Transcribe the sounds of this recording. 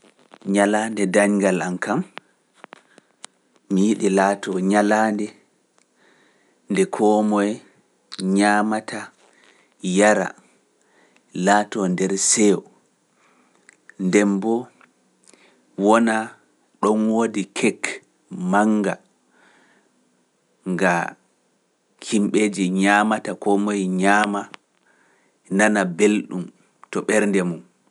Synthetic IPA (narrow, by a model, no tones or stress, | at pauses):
ɲalandɛdaɲɡalankʰam | mijiɗilaːtɔɲalandɛ | ndɛkʰɔmɔj | ɲaːmatʰa | jaɾa̰ | latɔndɛɾsɛwɔ | ndɛmbɔ | wɔna | ɗɔnwodikʰɛk | maŋɡa | ŋɡa | kʰimɓed͡ʒiɲaːmatakɔmojɲaːma | nanabelɗum | tɔɓɛɾndɛmum